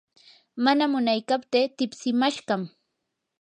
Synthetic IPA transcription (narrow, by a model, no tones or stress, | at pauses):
manamʊnajkapt̪eːt̪ɪpsɪmaʃɢɑm